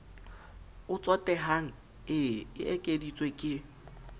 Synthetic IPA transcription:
ʊt͡sʼɔtʼɛɦaŋ̩ | ɪɪʔɛkʼedit͡sʼwekʼɪ

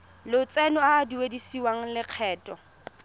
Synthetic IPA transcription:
lʊt͡sʼɛnɔaːduwedisiwaŋ̩lɪq͡χʰɛːtʼɔ

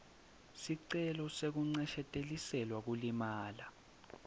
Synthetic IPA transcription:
siǀɛlɔsek̬uŋ͡ǀɛʃɛtʼelisɛlwak̬ulimaːla

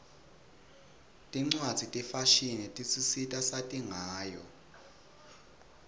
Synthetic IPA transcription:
tʼiŋ͡ǀwad̥z̥ʱitʼifaʃinɛtʼisisitʼasatʼiŋaːjɔ

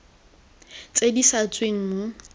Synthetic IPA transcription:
t͡sʼedisat͡sʼweŋ̩

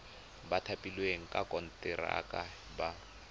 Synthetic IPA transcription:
batʰapʼilweŋ̩kʼakʼɔn̩tʼɪra̰kʼa | ba

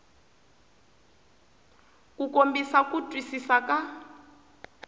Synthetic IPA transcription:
kukombisakutʼwisisaka

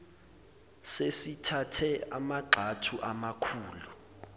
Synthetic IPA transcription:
sesitʰatʰɛamaɡ͡ǃʱatʰuʔamakʰuːlu

